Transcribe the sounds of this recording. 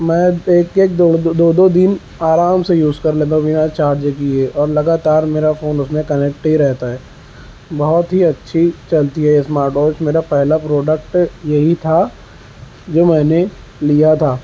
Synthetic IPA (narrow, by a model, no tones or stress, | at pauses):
mɛ̃ːeːkeːk̚d̪oːd̪oːd̪od̪ɪn | aːɾaːmsejuːzkɐɾleːt̪ãʋinat͡ʃaːɾd͡ʒkiɦeʔɔːɾlɐɡaːt̪aːɾmeːɾafoːnʊsmẽkɐnek̚ʈɦiɾɛɦt̪aɦɛː | bɔɦʊt̪ɦiɐtːʃʰit͡ʃɐlt̪iɦɛjesmaːɾʈoːt͡ʃmeːɾapɛɦlapɾoːɖək̚ʈjɐɦit̪ʰa | d͡ʒoːmɛ̃ːne | lijat̪ʰaː